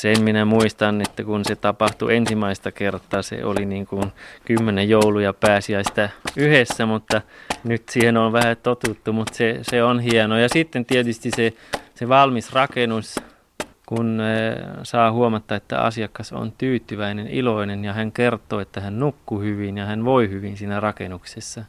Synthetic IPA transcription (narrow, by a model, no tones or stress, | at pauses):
semminæmuist̪ɑnːet̪ːækunset̪ɑpɑht̪ṵʔensimæist̪ɑkert̪ːˑɑːsḛʔo̰liniːŋkunkymːenejoulujɑpæːsiæsi̥t̪æyhesːæmut̪ːɑnyt̪siːhenonʋæhæt̪ot̪ut̪ːumut̪seseonhienojɑsit̪ːent̪iet̪yst̪iseseʋɑlmisrɑkenus | kun | sɑːhuomɑt̪ːɑet̪ːæ̰ɑ̰siɑkːɑso̰nt̪yːt̪ːyʋæinenḭloinenjɑhæŋkert̪ːˑoːet̪ːæhænnukːuhyʋinjɑhænʋoihyʋinsiːnærɑkḛnuksesːɑ